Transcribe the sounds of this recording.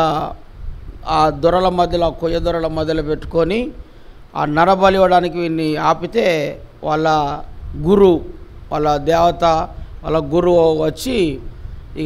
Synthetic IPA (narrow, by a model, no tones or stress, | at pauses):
aːd̪ɔɾɐlɐmɐd̪ʱjɐlːkujɐd̪ɔɾɐlɐmɐd̪ʱjɐlɐpeʈːu̥koni | a̰ːnɐɾɐbɐliʋɐɽaːnikiʋiːnːiaːpit̪e̞ːʋaːɭːɐɡuɾuʋa̰ːɭːɐd̪ɛːʋɐt̪ɐʋa̰ːlːɐɡuɾuoʋɐt͡ʃːi